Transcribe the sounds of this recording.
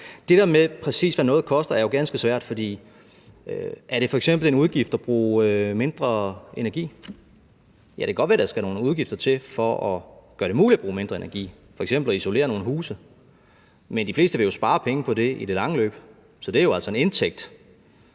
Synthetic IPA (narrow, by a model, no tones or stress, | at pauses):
d̥e̝ɾ̥eɐmepʰʁɛsḭːsʋænɔ̽ːð̩ˠkʰɒ̽sd̥ɐæɐjo̝ɡ̥ænsɡ̥əsʋæɐ̰d̥fɒ̽d̥ḭː | øʔæɐɾ̥e̝fɒ̽eɡ̥sem̰b̥l̩e̝nuðˠɡ̥ifd̥ɒb̥ʁṵːme̝nd̥ʁɐe̝næɐɡ̥ḭː | jæd̥ekæɡ̥ɒd̥ʋæɐd̥ɑsɡ̥æno̝ːnuð̞ˠɡ̥ifd̥ɐt͡sʰe̝lfɒʔɒɡ̥ɶɐɾ̥e̝muːlidæb̥ʁuːme̝nd̥ʁɐe̝næɐɡ̥ḭː | fɒeɡ̥sem̰b̥l̩ɒiso̝le̝̰ːɐno̝ːn̩ɦuːsə | mend̥ifle̝̰ːsd̥əʋe̝jo̝sb̥ɑ̈ːpʰeŋəpʰɒ̽d̥e̝id̥e̝lɑ̈ŋəlø̰ːb̥ | sɒ̽d̥e̝æɐjo̝æl̰sɒ̽e̝nent͡sʰeɡ̥̚d̥